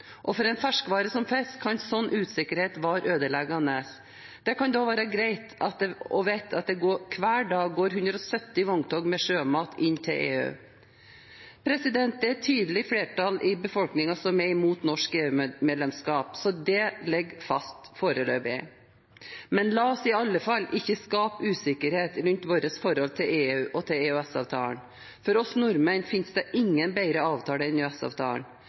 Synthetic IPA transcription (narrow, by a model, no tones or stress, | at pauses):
ʔɔfɔɾɛnfæʂkʋɑːɾəsɔmfɛst̪kʰɑnsɔnːʔʉːt̪sɪkːəɾheːt̪ʋɑːɾʔøːd̪əlɛɡɑnəs | d̪̥ɛkɑnd̪ɑːʋæːɾəɡɾæɪt̪ɑt̪̚d̪ɛɔʋæɪt̪ʰɑt̪̚d̪ɛɡoːkʰʋæːɖɑːɡɡoːɾɦʉnd̪ɾɔsœt̪ːɪʋɔŋt̪ʰɔɡmɛʂøːmɑːt̪ʰɪnːt̪ʰɪlʔḛːʉ̰ː | pʰɾɛsɪd̪ɛnt̪ɛt̪ʰyːd̪əl̩ɪfleːʈʰɑlʔɪbəfɔlknɪŋɑsɔmɛɪmuːt̪nɔʂkeːʉmeːd̪lɛmskɑːpsɔd̪ɛlɛɡfɑst̪foːɾəløːbɪ | mɛnlɑːɔsɪɑlːəfɑlːɪçːəskɑːpʉːsɪkəɾheːt̪ɾʉnt̪ʋoːɾəsfɔɾhɔlt̪ʰɪleːʉːʔɔt̪ʰɪleːʉɛsɑʋt̪ʰɑ̰ːɳ | fɔɾɔsnʊɾmənfɪnsd̪ɛʔɪŋːənbæɪɾəɑːʋt̪ʰɑːləɪnʉɛsɑ̰ːʋt̪ʰɑ̰ːəɳ